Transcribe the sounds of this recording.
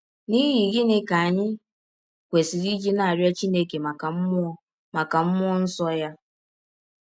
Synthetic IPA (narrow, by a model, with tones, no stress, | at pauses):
ni˦ɦi˨ɡi˦ne˦ka˨a˨ɲɪ˦ | kʷe˨si˨ɾi˦d͡ʒi˦na˨a˨ɾjɔ˦t͡ʃi˦ne˦ke˨ma˨ka˨m̩˦m˦ɔ˦ | ma˨ka˨m̩˦mʊ˦ɔ˦n̩˦sɔ˦ja˦